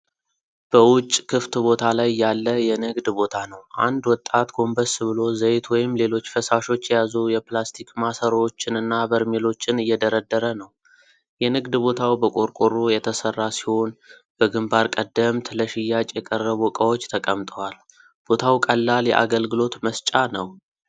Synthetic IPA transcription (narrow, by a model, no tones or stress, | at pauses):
b̥əwʊt͡ʃʼːkʰɨft̪bo̞t̪ʰalajːalːəjɛnɨɡd̪bo̞t̪ʰanəwʔa̰nd̪wɔt̪ʼːat̪ɡo̞mbəsβɨlo̞zəjt̪wɔjɪmle̞lo̞t͡ʃːfəsaʃo̞t͡ʃːjɛjazujɛplast̪ʰikmasəɾot͡ʃːɪnɨnːabəɾmelo̞t͡ʃːɪnɨjːɛd̪əɾəd̪ːəɾənəw | jɛnɨɡd̪bo̞t̪ʰawbəkʼoɾkʼoɾujɛt̪ʰəsərːasi̥ho̞n | b̥əɡɨmbaɾkʼəd̪ːəmt̪ʰləʃɪjːat͡ʃʼjɛkʼərːəβukʼəwot͡ʃːt̪ʰəkʼəmt̪ʼəwal | b̥o̞t̪ʰawkʼəlːaljɛ̰ʔa̰ɡəlɡɨlo̞t̪məst͡ʃʼanəw